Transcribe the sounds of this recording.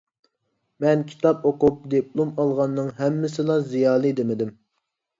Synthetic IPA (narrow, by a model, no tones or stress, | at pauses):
mɛnkʲʰi̥t̪ʰɑpoqup̚d̪ep̚lˠumɑlˠʁɑnːɨŋɦɛmːɪsɪlˠɑzijɑːlˠɨd̪emɪd̪ɪm